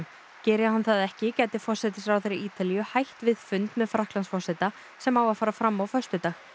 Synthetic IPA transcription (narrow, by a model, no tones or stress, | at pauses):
cɛːɾjahanθaðɛhcɪcɛːjt̪ɪfɔr̥sɛt̪ɪsɾawθeɾɪʔiːt̪alijʏhajht̪vɪðfʏnt̪mɛðfɾahklansfɔr̥sat̪a | sɛmawaðfaːɾafɾamːawfœrst̪ʏt̪aːx